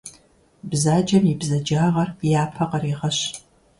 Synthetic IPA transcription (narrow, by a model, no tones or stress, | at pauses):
bzaːd͡ʒɐmibzɐd͡ʒaːʁɐrjaːpʰɐqɐɾiːʁɐɕ